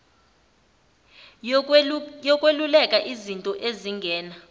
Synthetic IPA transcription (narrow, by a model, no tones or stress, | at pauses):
jɔkʼwelulɛkʼaʔizintʼɔʔeziŋɡʱɛːna